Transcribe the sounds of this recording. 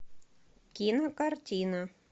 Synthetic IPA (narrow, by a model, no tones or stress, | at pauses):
kʲinɐkɑrtʲina